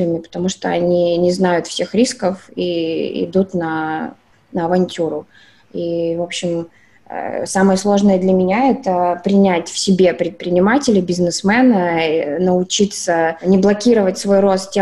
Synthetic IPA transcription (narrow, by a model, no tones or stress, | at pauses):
ɪnːɨpə̥t̪ɐmuʂt̪oɐnʲinʲɪznajʊt̪fsʲe̞xɾʲiskəfḭɪ̰d̪ut̪nə | nəɐvɐnʲtʲuɾʊ | ivo̞pɕːɪm̰ | saməjəslˠo̞ʐnəjəd̪lʲəmʲɪnʲaɛt̪əpɾʲɪnʲætʲfsʲɪbʲe̞pɾʲɪt̪̚pɾʲɪnʲɪmatʲɪlʲɪbʲɪznɨsmɛnənəʊt͡ɕit̪sənʲɪblˠɐkʲiɾəvətʲsvo̞jro̞st̪tʲːe